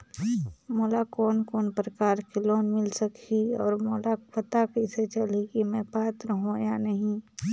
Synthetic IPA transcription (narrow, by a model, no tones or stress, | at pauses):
moːlakɔːnkɔːnpɾəkaːɾkelɔːnmɪlsəkʰiɔ̰ːɾmoːlapət̪akəiset͡ʃɐlikimɛ̃paːt̪ɾəɦõjanəɦĩ